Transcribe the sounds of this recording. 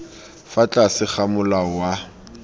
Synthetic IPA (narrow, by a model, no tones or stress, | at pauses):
fat͡ɬʼasɪχamʊlawa